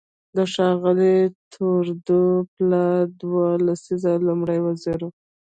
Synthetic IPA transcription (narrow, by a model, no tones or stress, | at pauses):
d̪əʃɑɣəlit̪ʰoɾd̪oplad̪walasizalumɽəjwaziɾu